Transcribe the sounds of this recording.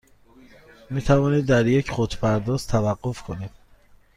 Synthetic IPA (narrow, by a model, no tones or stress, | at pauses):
miːt̪ʰævɒːniːd̪ːæɾjecʰxod̪pʰæɾd̪ɒːz̥t̪ʰævæɢːofkʰonid̪̥̚